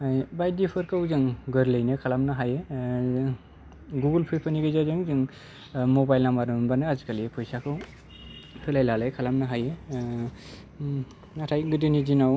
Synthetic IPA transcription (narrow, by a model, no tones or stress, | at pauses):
ajbajdipʰɯɾkɯwzɯŋɡɯɾlɯjnɯkʰalamnaɦaje | ɡuɡɯlpʰɯjpʰɯniɡɯjzazɯŋzɯŋ | mɔbajlamaɾɯnbanɯazikaliepʰɯjsakʰɯw | hɯlajlalajkʰalamnaɦaje | natʰajɡɯdɯnizinaw